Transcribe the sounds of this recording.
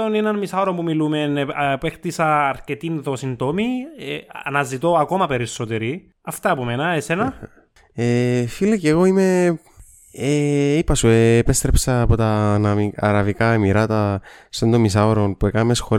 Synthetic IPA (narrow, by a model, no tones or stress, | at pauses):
onenɐnmisɐoɾompumilume̞npext̪isɐːɾcet̪inðo̞sint̪o̞mieɐ̰nɐzit̪o̞ɐko̞mɐpe̞ɾiso̞t̪eɾi | ɐft̪ɐpumenɐese̞nɐ | efilɐceɣo̞ime̞ | eipɐsueːpest̪ɾepsɐːpo̞t̪ɐnɐmiɐɾɐvikɐemiɾɐt̪ɐsond̪omːisɐoɾonpuekɐnmesxo̞ɾ